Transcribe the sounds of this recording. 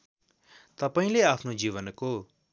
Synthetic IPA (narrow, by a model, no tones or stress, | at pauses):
t̪əpaːĩleaːpʰnod͡ʒiːʋənko